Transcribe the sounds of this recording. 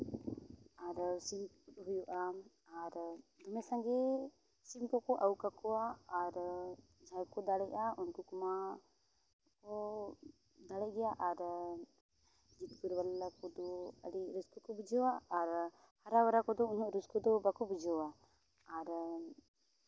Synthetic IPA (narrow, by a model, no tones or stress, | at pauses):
aɾsim | ut̪ɦujuʔa | aɾd̪ɔmɛsaŋɡɛ | simkɔkɔʔawkakɔaːɾ | d͡ʒʱajkɔd̪aɽɛʔaunkukɔma | kɔ | d̪aɽɛʔɡɛjaʔaɾ | d͡ʒit̪̚kuɾbalakɔd̪ɔə̰ɽiɾuskɔkɔbud͡ʒɔwaːɾ | haɾawaɾakɔd̪ɔunɔʔɾuskɔd̪ɔbakɔbud͡ʒɔwa | aɾ